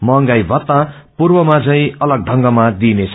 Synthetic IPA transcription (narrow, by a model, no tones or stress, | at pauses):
mʌŋɡajbʱʌt̪ːa | purbʌmad͡zʌĩʌlʌɡ̚ɖʱʌŋɡʌmad̪inet͡sʰ